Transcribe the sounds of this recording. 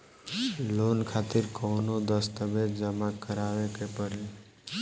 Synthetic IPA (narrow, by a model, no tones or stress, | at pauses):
lonkʰat̪ɪɾkɔʊnod̪əst̪əbed͡ʒəmakəɾaːʋekepəɾe